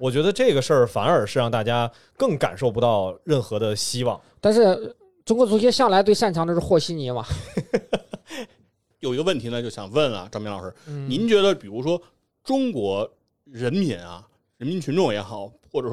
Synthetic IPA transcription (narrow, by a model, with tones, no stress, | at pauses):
wɔ˨˩t͡ɕɥɛ˧˥d̪ə˧ʈ͡ʂɤ˥˩ɡə˩ʂə˞˥˩fa˧˥nə˞˨˩ʂɻ̩˥˧ɻɑ˥˧ŋt̪a˥˩t͡ɕja˥ | kɤ˥˩ŋka̰˨˩nʂo˥˩ʊp̬u˧˥t̪ɑ˥˧ʊɻə˥˩nxɤ˧˥d̪ə˧ɕi˥wɑ˥˩ŋt̪a˥˧nʂ̬ɻ̩˥˩ | ʈ͡ʂʊ˥ŋkwɔ˧˥t͡su˧˥t͡ɕjɛ˥ɕjɑ˥˩ŋla˧˥ɪt̪we˥˧ɪʂa˥˩nt͡ɕʰɑ˧˥t̪ə˧ʂɻ̩˥xwɔ˥˩ɕi˥ni˧˥mɐ˩ | jo˨˩ʊi˧˥ɡə˧wə˥˩nt̪ʰi˧˥nə˧t͡ɕjo˥˩ʊɕjɑ̰˨˩ŋwə˥˩nɐ̰˩ʈ͡ʂɑ˥mɛ˧˥nlɑ˨˩ʂɻ̩˥˧˩ni˧˥nt͡ɕɥɛ˧˥d̪ə˧pi˨˩ɻu˧˥ʂwɔ˥ | ʈ͡ʂʊ˥ŋkwɔ˧˥ | ɻə˧˥nmi˧˥nɐ̰˧ | ɻə˧˥nmi˧˥nt͡ɕʰy˧˥nʈ͡ʂʊ˥˩ŋjɛ˧˥xɑ˨˩˦ʊxwɔ˥˩ʈ͡ʂɤ˨˩ʂ